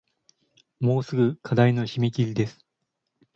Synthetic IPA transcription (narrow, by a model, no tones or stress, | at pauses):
mo̞ːsɨɡɯ̟kʰad̪aino̞ɕimekʲiɾʲid̪e̞sɨ̥